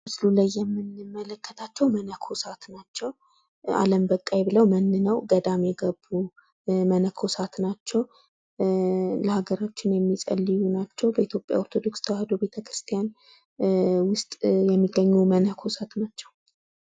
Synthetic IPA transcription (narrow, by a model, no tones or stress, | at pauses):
mɨslulajːɛmːɨnɨmːələkːət̪ʰat͡ʃːɛwmənəkʰosat̪nat͡ʃːɛw | a̰ləmbəkʼːajbɨləwmənːɨnəwɡəd̪amjɛɡəbːu | mənəkʰosat̪nat͡ʃːɛw | ləhaɡəɾat͡ʃːɪnjɛmːisʼə̰lːijunat͡ʃːɛwbəit̪jo̞pʼja̰oɾt̪ʰod̪o̞kst̪ʰəwahed̪obe̞t̪ʰəkɾɨ̥st̪ʰijan | wʊst̪ʼjɛmːiɡːəɲːumənəkʰosat̪nat͡ʃːɛw